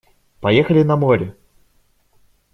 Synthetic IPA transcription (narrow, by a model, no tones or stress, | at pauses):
pajɛxɐlʲinɐmɔɾʲɛ